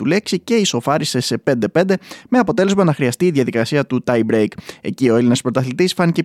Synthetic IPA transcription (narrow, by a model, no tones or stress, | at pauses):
ule̞ksice̞iso̞fɐɾise̞se̞pe̞nd̪e̞pe̞nd̪e̞meɐpo̞t̪e̞le̞zmɐnɐxɾiɐst̪iːðjʝɐðikɐsiɐt̪ut̪ɐjbɾejke̞̰cio̞e̞linɐspɾot̪ɐθlit̪isfɐnice